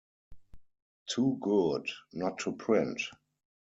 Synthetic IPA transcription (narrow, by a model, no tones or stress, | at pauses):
tʰuːɡʊdnɔtʰːupʰɹɪ̃nt